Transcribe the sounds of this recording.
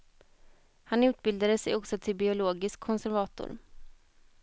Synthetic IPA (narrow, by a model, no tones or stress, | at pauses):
hanʉ̟ːt̪̚bɪld̪ad̪əsɛ̰jɔksɔt̪ʰɪlbɪʊloːɡɪskʰːɔnsæɾvɑːt̪ʊ̰ɾ